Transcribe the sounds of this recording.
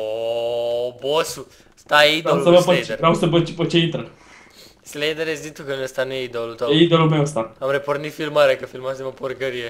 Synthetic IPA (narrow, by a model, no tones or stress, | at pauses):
o | bosu | st̪aidolsəvaəd̪eɾɾawsəbət͡ʃipət͡ʃeint̪ɾə | slejd̪eɾesd̪it̪ukənumest̪anujeid̪olut̪ojeid̪olulmewst̪aamɾepornit̪filmaɾekəfilmaseməporɡəɾije